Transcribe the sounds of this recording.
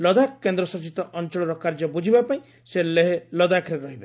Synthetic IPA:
lɔd̪akkːend̪ɾɔsɔt͡ʃit̪ɔʔɔnt͡ʃɔɭɔɾɔkaɾd͡ʒɔbud͡ʒʱibapaĩ | seleɦelɔd̪akʰɾeɾɔɦibe

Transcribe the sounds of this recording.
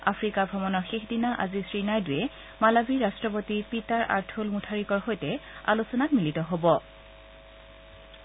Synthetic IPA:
a̰fɹikabʱɔmɔnɔɹxexdinaʔazisɹinajdujɛ | malabiɹastɹɔpotipitaɹʔa̰ɹtʰulmutʰaɹikɔɹxojtɛa̰lusɔnat̚militɔɦobɔ

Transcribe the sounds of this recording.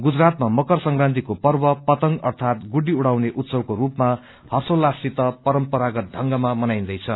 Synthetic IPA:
ɡud͡zrat̪mamʌkʌrsʌŋɡrãnt̪ikopʌrbʌpʌt̪ʌŋɡʌrt̪ʰat̪ɡuɖiuɽ̤awneʔut̪sʌbkoɾupma | hʌrsolasit̪ʌpʌɾʌmpʌɾaɡʌt̪̚ɖʱʌŋɡʌmamʌnajnd̪ʌjt͡sʰʌ

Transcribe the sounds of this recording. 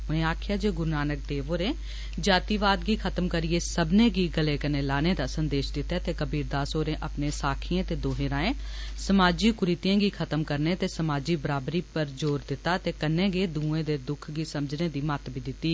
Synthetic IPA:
ʊnẽːaːkʰɪjaːd͡ʒeːɡʊɾnaːnək̚d̪eːʋoːɾẽː | d͡ʒaːt̪iːʋaːd̪ɡiːkʰət̪əmkəɾieːsəbnẽːɡiːɡəleːkənẽːlaːneːd̪aːsənd̪eːʃd̪ɪt̪ːɛːt̪eːkəbiːɾd̪aːsoːɾẽːʔəpnẽːsaːkʰɪjẽːt̪eːd̪oːɦẽːɾaːẽːsəmaːd͡ʒiːkʊɾit̪ijãːɡiːkʰət̪əmkəɾneːt̪eːsəmaːd͡ʒiːbəɾaːbɾiːpəɾd͡ʒoːɾd̪ɪt̪ːaːt̪eːkənẽːɡeːd̪ũːẽːd̪eːd̪ʊkʰɡiːsəməd͡ʒneːd̪iːmət̪biːd̪ɪt̪ːiː

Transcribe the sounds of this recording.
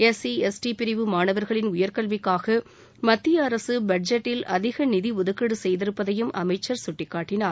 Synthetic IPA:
ɛsiɛsʈipɪɾɪʋɯmaːnɐʋɐɾɣɐɭɪnʊjɐɾkɐɭʋɪkːaːɣɐ | mɐt̪ːɪjɐːɾɐsɯbɐɖ̚d͡ʒɐʈːɪlɐðɪɣɐnɪðiʊðɯkːɐɽɯsɛjðɪɾɯpːɐðɐjɯmʔɐ̰mɐɪt͡ʃːɐɾsʊʈːɪkːaːʈːɪnaːɾ

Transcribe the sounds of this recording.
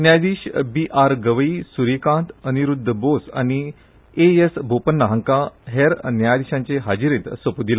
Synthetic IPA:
njad̪iːɕbiʔaɾɡəʋəisuɾikãnt̪əniɾud̪ʱːəbosa̰ni | eesbʱopənːəɦə̃ŋkaɦeɾnjajd̪iɕãɲt͡ɕeɦad͡ʑiɾẽt̪sʋəpud̪ila

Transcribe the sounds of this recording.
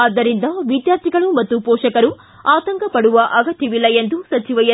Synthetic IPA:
ɐd̪ːɐɾind̪ɐʋid̪jaːɾt̪ʰiɡɐɭumɐt̪ːupɔːʂɐkɐɾu | aːt̪ɐŋkʰɐpɐɽuʋɐʔɐɡɐt̪ːjiʋilːɐjend̪usɐt͡ʃiʋɐjɐ

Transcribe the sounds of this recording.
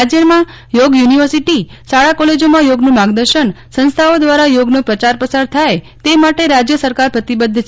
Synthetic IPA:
ad͡ʒjəmã | joɡjuniʋəɾsiʈi | saɭakɔled͡ʒomãjoɡnũmaɡd̪əɾʃəɳ | sə̃nst̪ʰaod̪ʋaɾajoɡnõpɾət͡ʃaɾpəsaɾt̪ʰae | t̪emaʈeɾad͡ʒjəsəɾkaɾpɾət̪ibəd̪ʱːt͡ʃʰ

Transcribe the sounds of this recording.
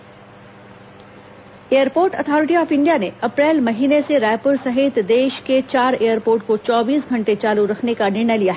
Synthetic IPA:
eːəɾpoːɾʈət̪ʰɔːɾɪʈiɔːfɪ̃ɳɖijaneɐpɾɛːlmɐɦiːneseɾɛːpəɾsɐɦɪt̪d̪eːʃket͡ʃaːɾejəɾpoːɾʈ̚kot͡ʃɔːbiːsɡʱɐ̃ɳʈet͡ʃaːluɾɐkʰnekanɪɾnəjlijaɦɛ

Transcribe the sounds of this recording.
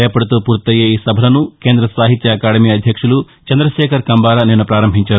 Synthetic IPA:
ɛːɐpɐɽut̪uːpuːɾt̪ɐjeːiːsɐbʱɐlɐnukeːnd̪ɾɐsʋaːɦit̪jɐɐkaːɽɐmiːɐd̪ʱjɐkʂulu | t͡ʃɐnd̪ɾɐʃɛːkʰɐɾkɐmbaːɾaneːnupɾaːɾɐmbʱiɲt͡ʃaː

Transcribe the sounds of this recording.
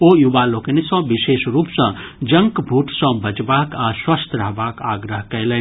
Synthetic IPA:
ojubaloːkənisɔ̃biʃeːʃɾuːpsɐ̃ | d͡ʒɐ̃ŋkbʱuːʈsɔ̃bɐt͡ʃbaːkaswɐst̪ɾaɦbaːkaːɡɾəɦkɐjlɛn

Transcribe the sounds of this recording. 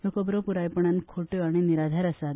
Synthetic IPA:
jokɔbɾɔpuɾajpəɳ̃ankʰoʈjoaɽ̃iniɾad̪ʱaɾəsad̪

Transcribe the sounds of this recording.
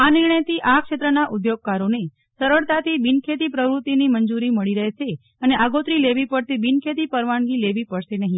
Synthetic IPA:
anɪɾɳəjt̪ʰiʔakʃet̪ɾənaʔud̪joɡ̚kaɾone | səɾəɭt̪at̪ʰibinkʰet̪ipɾəʋɾut̪ːinimənd͡ʒuɾiməɭiɾəɦʃe | əneʔaɡot̪ɾileʋipəɽt̪ibinkʰet̪ipəɾʋaɳɡileʋipəɽʃenəɦĩ

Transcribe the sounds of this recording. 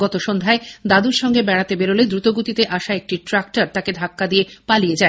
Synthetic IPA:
ɡɔt̪oʃond̪ʱaed̪ad̪uɾʃɔŋɡebɛɽat̪ebeɾoled̪ɾut̪oɡut̪it̪eʔaʃaek̚ʈiʈɾakʈaɾt̪aked̪ʱakːad̪ijepalied͡ʑae

